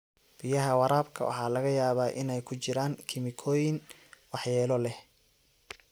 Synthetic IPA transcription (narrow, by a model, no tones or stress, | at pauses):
b̥ɪjɐɦɐwɑɾaːbkʰɐ̰wɑ̰ħɑːlɐɣɐjaːβaːʔɪ̰nɛjkʰʊt͡ʃɪɾaːŋkʰɪmɪkʰɔːjɪŋ | wɑħjɛːlɔlɛh